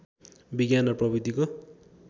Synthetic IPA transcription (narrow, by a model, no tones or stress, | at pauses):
biɡjanʌprʌbid̪iko